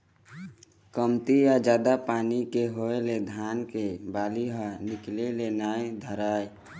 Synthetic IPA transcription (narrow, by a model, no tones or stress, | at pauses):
kəmt̪ijad͡ʒaːd̪apaːnikeɦoeled̪ʱaːnkebaːliɦənɪklelenaːed̪ʱəɾaːe